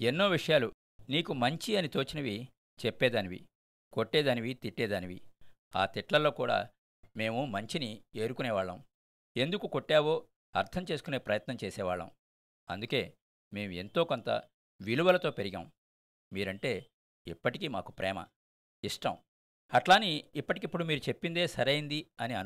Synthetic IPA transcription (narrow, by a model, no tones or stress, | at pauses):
e̞nːoːʋiʂɐjaːlu | niːkumɐɲt͡ʃiɐnit̪oːt͡ʃinɐʋi | t͡ʃepːɛːd̪aːniʋḭ | ko̞ʈːɛːd̪aːniʋit̪iʈːɛːd̪aːniʋḭ | a̰ːt̪iʈlɐlːo̞ːkuːɽa̰ː | me̞ːmumɐɲt͡ʃinie̞ːɾukunɛːʋaːɭːɐ̰m | e̞nd̪ukuko̞ʈːaːʋo̞ː | ɐɾt̪ʰɐmt͡ʃe̞ːsu̥kune̞ːpɾɐjɐt̪nɐmt͡ʃeːsɛːʋaːɭːɐ̰m | ɐ̰nd̪uke̞ː | me̞ːmue̞nt̪o̞ːkont̪ɐ̰ | ʋiluʋɐlɐt̪o̞ːpeɾiɡa̰ːm | miːɾɐɳʈe̞ː | ipːɐʈikiːma̰ːku̥pɾɛ̰ːmɐ̰ | iʂʈɐm | ɐʈlaːniːpːɐʈikipːuɽumiːɾut͡ʃe̞pːind̪e̞ːsɐɾɐjind̪iɐniɐn